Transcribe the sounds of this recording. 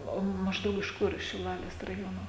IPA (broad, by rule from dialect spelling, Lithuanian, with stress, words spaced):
ˈoː ˈmɑːʒdɐʊk ɪʃ ˈkʊr ɪʃ ʃʲɪˈlˠɑːlʲeːs rɐˈjoːnoː